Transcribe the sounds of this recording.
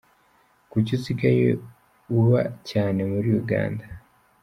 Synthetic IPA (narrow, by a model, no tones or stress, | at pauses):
kuciziɡajḛ | uβacaːne̞muɾiuɡa̰ːnda